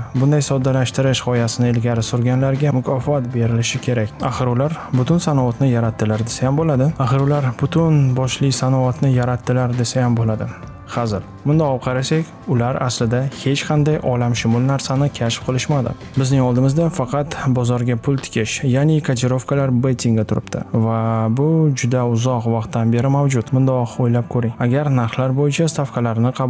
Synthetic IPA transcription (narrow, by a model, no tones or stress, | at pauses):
bʊnd̪ajsɒd̪ːalaʃt̪ɪɾɪʃʁɒjasɪnɪelɡʲaɾɪsoɾɡʲanlaɾɡʲamʊkʰɒfat̪be̞ɾɪlɪʃɪkʲʰe̞ɾakʲaχɨɾʊlaɾbʊt̪ʰʊnsanɒvat̪nɪjaɾat̪ʰːɪlaɾd̪esajambolad̪ɪaχɨɾʊlaɾbʊt̪ʰʊnbɒʃlɪsanɒat̪nɪjaɾat̪ʰːɪlaɾd̪e̞sajambolad̪ɪ | χazɪl | mʊnd̪aɒp̚qʰɑɾasakʲ | ʊlaɾa̰slɪd̪ahe̞t͡ʃqʰɑnd̪ajʔɒlamʃʊmʊlˠnaɾsanɪkʲʰaʃp̚qʰɨlˠɪʃmad̪ɪ̰ | bɪznɪŋɒlˠd̪ɪmɪzd̪afɑqʰɑt̪bɒzɒɾɡʲapʰʊlˠt̪ʰɪ̥kʲʰɪʃjanɪkʰat̪ʰeɾo̞fkʰalaɾbet̪ʰʲɪŋɡʲat̪ʰʊɾɪ̰pt̪ʰɪ̰vabʊd͡ʒʊd̪aʊzɒqvɑqt̪ːanbe̞ɾɪmawd͡ʒʊt̪mʊnd̪ɒqojlap̚kʰɵɾɪŋaɡʲaɾnaɾχlaɾbojɪt͡ʃʰast̪ʰafkʰalaɾnɪqʰɑ